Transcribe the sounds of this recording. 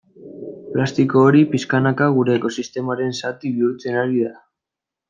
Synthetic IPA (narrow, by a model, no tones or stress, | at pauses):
plast̪iko̞ːɾipiskanakaɣ̞uɾe̞ːko̞sist̪e̞maɾe̞nsat̪iβiuɾt͡se̞naɾiða